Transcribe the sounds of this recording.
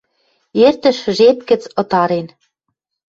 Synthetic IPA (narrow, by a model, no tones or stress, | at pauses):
ert̪ə̆ʃʒep̚kə̆t͡sɤ̆t̪ɑɾen